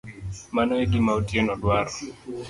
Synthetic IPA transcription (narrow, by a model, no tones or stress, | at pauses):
manɔeɡɪmaotjenɔdwaɾɔ